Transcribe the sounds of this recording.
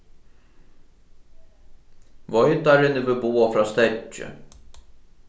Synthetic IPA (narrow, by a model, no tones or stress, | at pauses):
ʋɔjt̪aɾɪnəvɪbuːafɾɑːst̪ɛt͡ʃə̰